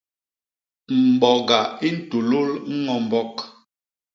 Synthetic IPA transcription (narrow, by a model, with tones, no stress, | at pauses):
m̩˨bɔ˨ɡa˨i˦n̩˨tu˨lo˦lŋ̩˦ŋɔ˨m̩˨bɔ˦k